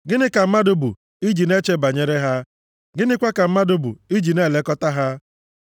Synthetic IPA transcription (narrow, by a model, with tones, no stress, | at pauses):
ɡɪ˦nɪ˦ka˨m̩˦ma˦dʊ˦bṵ˨ | i˦d͡ʒi˨ne˦t͡ʃe˦ba˨ɲe˦ɾe˦ɦa˦ | ɡɪ˦nɪ˦kʷa˦ka˨m̩˦ma˦dʊ˦bṵ˨i˦d͡ʒi˨ne˦˨le˦kɔ˦ta˦ɦa˦